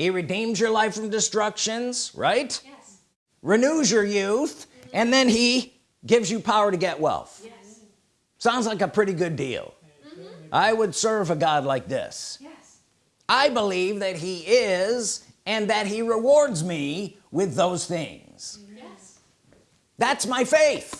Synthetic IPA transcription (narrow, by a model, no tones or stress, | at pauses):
hiɹɨdĩmzjə˞laɪfɹʌ̃mdɨstɹ̥ʌkʃɨ̃nz̥ɹa̰ɪt | ɹɨnuzjə˞jʉθʔɨ̃nðɨ̃ni | ɡɪvzjɨpʰaʊə˞ɾɨɡɛʔ̚wɛ̰lˠθ | sãʊ̃ndzlaɪkəpʰɹ̥ɪɾiɡʊdḭlˠ | ʔa̰ɪwədsɜ˞vəɡɑdˡlaɪk̚ðɪ̰s | aɪbəlivðɨt̚ɦiɪz | ɨ̃nðɨt̚ɦiɹɪwɔɹdzmi | wɪðoʊz̥θɪ̰̃ŋ | z̥ | ðætsmaɪfeɪθ